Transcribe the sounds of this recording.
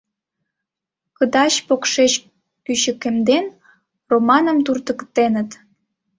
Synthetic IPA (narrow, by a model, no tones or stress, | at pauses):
kəd̪ɑɕpokʃet͡ɕ | kyɕə̆kemd̪en | romɑnə̆mt̪urt̪ə̆kt̪enət̪